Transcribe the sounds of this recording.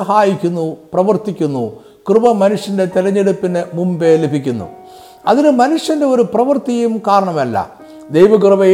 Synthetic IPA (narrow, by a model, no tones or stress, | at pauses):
ɐɦaːjikʲːunːuprɐʋɐrt̪ikʲːunːu | krɨbɐmɐnuʂjɐnde̞t̪ilɐɲːeɽupːinɨmumbe̞ːlibikʲːunːṵ | ɐðinɨmɐnuʂjɐnde̞o̞ɾuprɐʋɐrt̪ijumkaːɾɐɳɐmɐlːɐ̰ | d̪ejʋɐkrɨbɐ